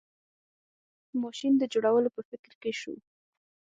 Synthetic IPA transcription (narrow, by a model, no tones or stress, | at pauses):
mɑʃind̪əd͡ʒoɽawəlopəfɪkɾkeʃṵ